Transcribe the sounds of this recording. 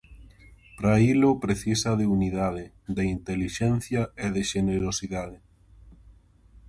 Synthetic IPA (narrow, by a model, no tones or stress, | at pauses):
pɾailopɾeθisaðeuniðað̞e | d̪eint̪eliʃɛnθjaeðeʃeneɾosiðaðɪ